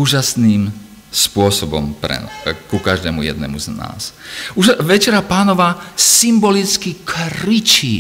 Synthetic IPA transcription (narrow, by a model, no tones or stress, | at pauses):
uːʒasniːm | spʊɔsɔbɔ̰mpɾɛ̰kukaʒd̪ɛːmujɛ̰d̪̚nɛ̰muzna̰ːsuʒʋɛt͡ʃɛɾapaːnɔʋaːsimbɔlit͡skikɾit͡ʃiː